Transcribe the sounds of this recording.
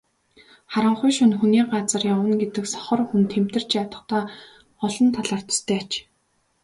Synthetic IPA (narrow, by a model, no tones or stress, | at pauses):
χaɾə̆ɴχʊjʃʊnxuniːɢat͡sə̆rjawə̆nɡet̪ɘ̆ksɔ̥χɞ̆rxunt̪ʰem̥t̪ɘ̆r̥t͡ɕat̪ə̆t̪aː | ɔɮɞ̆nt̪ʰaɮaːr̥t̪ə̥̆st̪ʰæːat͡ɕ